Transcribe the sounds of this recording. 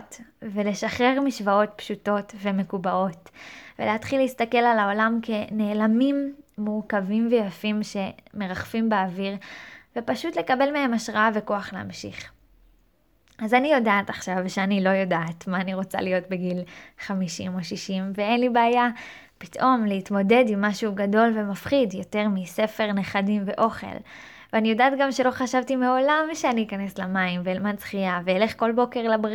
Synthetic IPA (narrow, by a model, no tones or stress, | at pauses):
tvele̞ʃaχe̞ʁmiʃvao̞t̚pʃuto̞tve̞me̞kubaʔo̞tvḛleatχileist̪ake̞lalao̞lamke̞ne̞ːlamimːuʁkavimvejafimʃe̞me̞ʁaχfimbeaviʁvepaʃutle̞kabe̞lmeɦe̞maʃʁaaveko̞aχlea̰mʃḭχ | ʔazanijo̞daːtaχʃavʃeanilo̞jo̞daːtmaːniʁo̞t͡sa̰lijo̞t̚beɡilχamiʃimo̞ʃiʃimveenlibeaja | pi̥tʔo̞mleitmo̞de̞dimːaʃuɡado̞lve̞mafχidjo̞te̞ʁmise̞fe̞ʁneχadimve̞ʔo̞χe̞̰l | veanijo̞daːtɡamʃe̞lo̞χaʃavtimeo̞lamʃeaniikane̞slamaimveːlmant͡sχiaveele̞χko̞lbo̞ke̞ʁlab